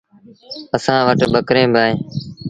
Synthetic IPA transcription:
əsãːʋəʈbəkɾẽːbʱaːẽː

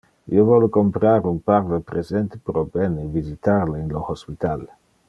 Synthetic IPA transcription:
ḭovɔlokompɾaɾumpaɾd̪epɾezent̪e̥pɾobenevizit̪aɾleiŋloxospit̪al

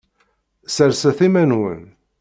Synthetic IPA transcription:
səɾsæθimænwə̰n

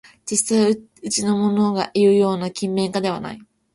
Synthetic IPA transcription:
d͡ʑisai | ɯt͡ɕino̞mo̞no̞ɡaʔijɯ̟jo̞ːnakʲĩmːẽ̞ŋkad̪e̞βa̰na̰i

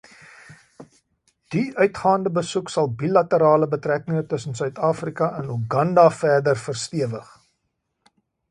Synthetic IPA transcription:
d̥iœɥtχɑːndəbəsuksɐlˠbilɐtəɾɑːləbətrækəŋətəsənsœɥtɑːfrikɐʔənuɡɐndɐfæːrdərfərstiəvəχ

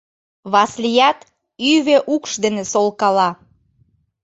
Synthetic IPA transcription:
βɑslijæt̪ | yβeʔukʃd̪enesolˠkɑlɑ

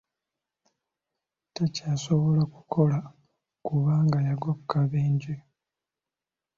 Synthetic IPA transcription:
tacaːso̞βo̞lakukʰo̞la | kuβaːŋɡajaɡokːaβeːɲɟe

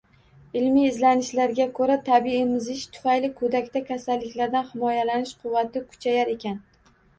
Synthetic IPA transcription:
ɪlmiːzlanɪʃlaɾɡʲakʰɵɾat̪ʰabiɪmɪzɪʃt̪ʰʊ̥fajlɪkʰɵd̪akʲt̪akʲʰasalːɪkʲlaɾd̪anhɪmɒjalanɪʃqʰʊvːat̪ʰɪkʰʊ̥t͡ʃʰajaɾe̞kʲʰan

